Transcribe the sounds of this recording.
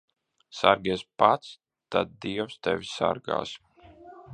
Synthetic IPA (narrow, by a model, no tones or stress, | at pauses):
saɾɡʲiɛsʲpat̪s | t̪ad̪̚d̪iɛwst̪ɛvʲsa̰ɾɡa̰ːs